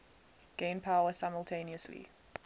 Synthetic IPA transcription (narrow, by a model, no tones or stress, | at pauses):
ɡ̥ẽɪ̃npʰaʊəsaɪməlˠtʰẽɪ̃niəslḭ